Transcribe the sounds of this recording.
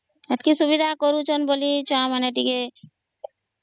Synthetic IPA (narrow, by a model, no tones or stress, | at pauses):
ət̪kisubid̪ʱakɔɾut͡ʃʰənbolit͡ʃamaneʈike